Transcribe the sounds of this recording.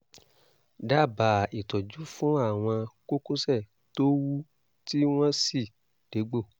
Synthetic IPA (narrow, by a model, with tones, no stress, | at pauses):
da˦˨ba˨i˨tɔ˨d͡ʒu˨˦fũ˦a˦˨w̃ɔ̃˧ko˦kũ˦sɛ˦˨ | to˦wu˦ | ti˦w̃ɔ̃˦si˦˨ | d̥e˨˦ɡ͡bo˦˨